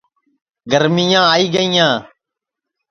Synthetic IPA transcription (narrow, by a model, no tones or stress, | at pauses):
ɡəɾmiːjãːaːiːɡəiːjãː